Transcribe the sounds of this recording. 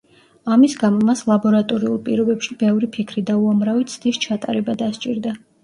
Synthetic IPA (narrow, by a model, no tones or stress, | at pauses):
amisɡamɔmaslˠabɔɾat̪ʼɔɾiulˠpʼḭɾɔbɛpʃibɛvɾipʰikʰɾid̪auamɾavit̪sʰd̪̥ist͡ʃʰat̪ʼa̰ɾɛbad̪ast͡ʃʼiɾd̪a